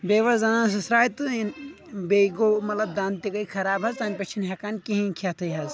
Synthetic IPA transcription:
beːʋɐzzɐnaːns̬ɐsɾaːjt̪ɨn | beɡomɐt̪lɐb̚d̪aːnt̪ikɐjkʰɐɾaːbɦɐzt̪aːnʲpɐt͡ʃʰinɦʲɐkankiɦĩkʰʲat̪ʰɐjɦɐz

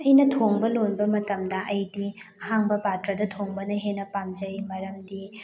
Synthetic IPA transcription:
ɐjnɐtʰoŋbɐlonbɐmɐtɐmdɐʔɐjdihaŋbɐpatɾɐdɐtʰoŋbɐnɐɦenːɐpamd͡ʒɐjmɐɾɐmdi

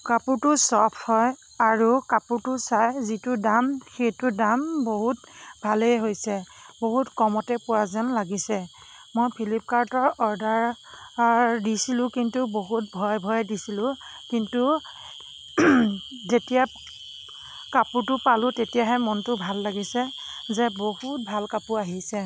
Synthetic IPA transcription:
kapuɹtʊsɔpʰhɔj | aɹukapuɹtʊsajzitʊdamxejtʊdamboɦutbʱalejɦojsɛ | boɦutkɔmɔtɛpʊwazɔnlaɡisɛ | mojpʰilip̚kaɹtɔɹɔɹdaɹ | disilʊ̃kintuboɦut̚bʱɔjbʱɔjdisilʊ̃kintu | zetija | kaputʊpalʊ̃tetijaɦɛmɔntʊbʱalːaɡisɛzɛbohut̚bʱalkapuaɦisɛ

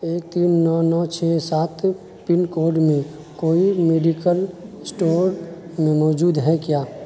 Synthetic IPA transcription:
eːk̚t̪iːnːɔːnɔːt͡ʃʰɛsaːt̪ | pɪnkoːɾɖmẽ | koːimeːɖikəl | sʈoːɾmẽmɔːd͡ʒuːd̪ɦɛkjaː

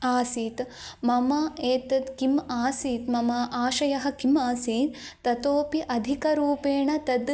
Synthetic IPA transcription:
aːsiːt̪mɐmɐeːt̪ɐd̪kimaːsiːt̪mɐmɐʔaːʃɐjɐɦɐ̆kimaːsiːnt̪ɐt̪oːpiʔɐd̪ʱikɐɾuːpeːɳɐt̪ɐd̪

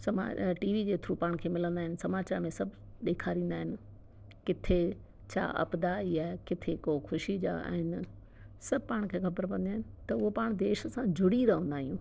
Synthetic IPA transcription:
sɐma̰ːʈiːʋid͡ʑeːt̪ʰɾupaːɽ̃kʰeːmɪlə̃nd̪aːɦɪnɪ̆sɐmaːt͡ɕaːɾmẽsɐbʱ | ɗ̪eːkʰaːɾĩːn̆d̪aːɦɪnɪ̆ | kɪt̪ʰe | t͡ɕʰa̰ʔɐ̰bd̪aiːaːekɪt̪ʰekoxʊʃid͡ʑa̰a̰ːɦɪn | sɐbʱpaːɽ̃kʰeːxɐbəɾpɐ̃nd̪aːɦɪnɪ̆t̪ɐʊɦopaːɽ̃d̪eːʃsãd͡ʑʱʊɽiɾɐɦə̃nd̪aːɦijũː

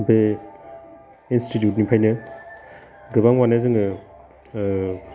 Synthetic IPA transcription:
be | institjut̬̚nipʰajnɯ | ɡɯbaŋwanazɯŋɯ

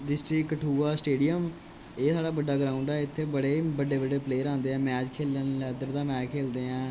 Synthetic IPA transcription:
ɖɪsʈɾɪkːʈʰuːaːsʈeːɖijəm | eːsaːɖaːbəɖːaːɡɾaːʊ̃ɳɖɛːɪt̪ʰːeːbəɽeːbəɖeːbəɖeːpleːɾãːnd̪eːɛ̃ːmɛːd͡ʒkʰeːlənlɛːd̪əɾd̪aːmɛːt͡ʃkʰeːld̪eːɛ̃ː

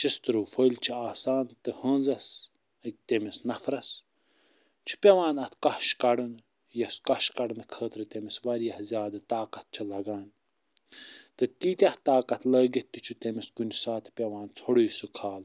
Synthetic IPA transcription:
t͡ʃʰist̪ɨɾuːfolʲt͡ʃʰiaːsaːnt̪ɨhə̃ːnzɐs | ət̪emisnɐfɾɐs | t͡ʃʰi̥pʲeʋaːnɐt̪ʰkɐhʃkɐɽɨn | jɐskɐʃkɐɖɨnɨkʰəːt̪ɾɨt̪emisʋɐɾjɐhzʲjaːd̪ɨt̪aːkɐt̪̚t͡ʃʰɐlɐɡaːnʲ | t̪ɨt̪iːt̪ʲɐht̪aːkɐt̪ʰlɐːɡit̪it͡ʃʰut̪emiskunʲsaːt̪ʰpʲeʋaːnt͡sʰoɽiːsɨkʰaːl

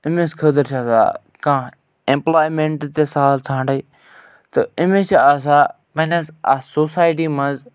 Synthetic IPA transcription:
ɪmẽskʰəd̪əɾt͡ʃʰaːsa̰ː | kãː | ẽmplaːjmẽɳʈt̪esaːlt̪ʰãːɳɖɐi | t̪ɨɪmẽt͡ʃʰaːs̬aː | mɐnẽsa̰soːsaːjʈiːmɐ̃nz

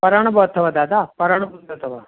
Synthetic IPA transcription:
pɐɾaɳ̃ɐbɐt̪ʰːɐʋɐd̪aːd̪apɐɾaɳ̃ɐbund̪ɐt̪ʰɐʋɐ

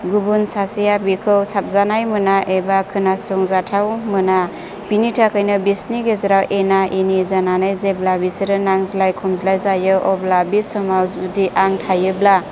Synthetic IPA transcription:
ɡubunsasijabikʰɯwsap̚zanajmɯnaʔebakʰɯnasɔŋzatʰawmɯna | pinitʰakʰajnɯbisniɡezaɾawʔenaʔinizananajzeblabisiɾɯnaŋzilajkʰɔmzlajzajɯʔɔblabisɔmawzudiʔaŋtʰajɯbla

